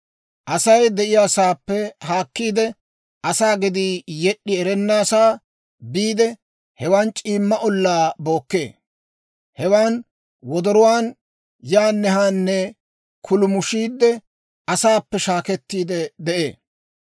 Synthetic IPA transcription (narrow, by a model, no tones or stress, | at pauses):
ʔɐsɐjd̪ɛʔɪjaːsaːpːɛhaːkːiːd̪ɛ | ʔɐsaːɡɪd̪iːjɛɗːɪɛɾɛnːaːsaː | biːd̪ɛ | hɛwaːnt͡ʃʼiːmːɐʔɔlːaːbo̞ːkːeː | hɛwaːn | wɔd̪ɔɾɔwaːn | jaːnːɛɦaːnːɛ | kʰʊlʊmʊʃiːd̪ːɛ | ɐsaːpːɛʃaːkɛt̪ːiːd̪ɛd̪ɛʔeː